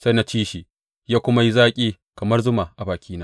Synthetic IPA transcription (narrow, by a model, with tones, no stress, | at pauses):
sa˦na˦t͡ʃiː˦ʃiː˨ | jaː˦kʷʊ˦ma˦ji˦zaː˦kʲʼiː˦ | kɐ˨mɐ˦rzʊ˦ma˨ʔa˨baː˨kʲʰiː˦naː˦